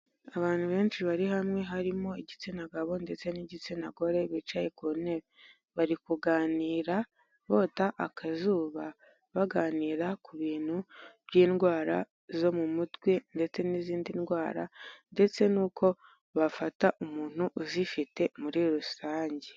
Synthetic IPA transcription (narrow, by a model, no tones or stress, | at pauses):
aβaːn̥huβe̞ːnt͡ʃiβaɾihamŋe̞ɦaɾimo̞eɟit͡sinaɡaβo̞nde̞t͡se̞niɟit͡sinaɡo̞ɾe̞βit͡ʃajekone | βaɾikuɡaːniːɾa | βo̞ːtaʔakʰazuːβa | βaɡaːniːɾakuβiːn̥huβɟiːnɡwaːɾa̰ | zo̞mumutwe̞nde̞t͡se̞niziːndinɡwaːɾa̰nde̞t͡se̞nuːkʰo̞ | βafataʔumuːn̥uʔuzifite̞muɾiɾusaːɲɟe